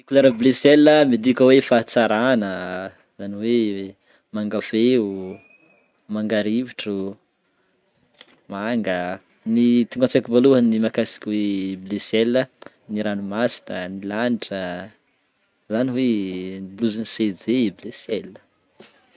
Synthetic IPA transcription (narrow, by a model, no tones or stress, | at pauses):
ikulaɾəblesɛlːəmid̪ikʲəwefat͡saɾanə | zaniwe | maŋɡafeu | maŋɡaɾiviʈ͡ʂu | maŋɡə | nit̪iŋɡat͡sakibaluɦənimakasi̥kʲweblesɛlə | niɾanumasi̥nənilaniʈ͡ʂə | zaniweibluzinsed͡zeblesɛlə̥